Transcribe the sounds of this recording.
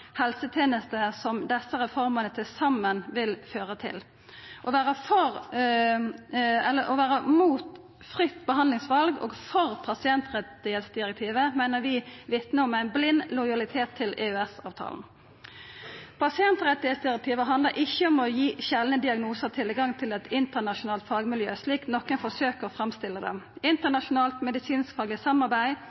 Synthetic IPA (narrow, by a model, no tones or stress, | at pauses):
hɛlsət̪ʰjeːnəst̪əsɔmd̪ɛsəʁɛfɔɾmənət̪ʰɪlsɑmːənʋɪlføːʁət̪ʰɪ̰l | ʔɔʋæːʁəfɔʁ | ɛlːəɔʋæːʁəmuːt̪ | fʁʏt̪ːbəɦɑnd̪lɪŋsʋɑlɡo̰ːɡfɔʁpʰɑsɪɛnt̪ʁɛt̪ːɪheːt̪sd̪ɪʁɛk̚t̪ʰiːʋəmæɪnəɾʋɪʋɪt̪nəɔmæɪnblɪnːlɔɪɑlɪt̪ʰeːt̪ʰːɪleʉːɛsɑ̰ːʋt̪ʰɑ̰ːln̩ | pʰɑsɪɛnt̪ʁɛt̪ːɪheːt̪sd̪ɪʁɛk̚t̪ʰiːʋəɦɑnd̪ləɾʔɪçːəɔmɔjiːɕɛlənəd̪ɪɑɡnuːsəʁt̪ʰɪlɡɑŋt̪ʰɪlɛt̪ʰɪnt̪ənɑʃʊnɑːlt̪fɑːɡmɪljø̰ːsliːknɔkːənfɔsøːkəʁɔfʁɑmst̪ɪlːəd̪ɛ̰ɪnt̪ənɑʃʊnɑːlt̪mɛd̪ɪsiːnskfɑːɡlɪəsɑmːɑʁbæɪ